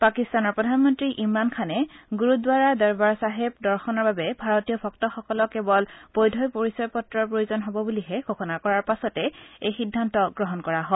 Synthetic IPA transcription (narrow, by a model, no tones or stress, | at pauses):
pakistanɔɹpɹɔdʱanmɔntɹiʔimɹankʰanɛɡuɹudwaɹadɛɹbaɹsaɦebdɔɹxɔnɔɹbabɛbʱaɹɔtijɔbʰʱɔk̚tɔxɔkɔlɔkːebɔlb̥ojdʱɔjpoɹisɔɹpɔtɹɔɹpɹojuzɔnɦobɔbuliɦɛɡʱoxɔnakɔɹaɹpasɔtɛejxidʱːantɔɡɹɔɦɔnkɔɹaɦɔ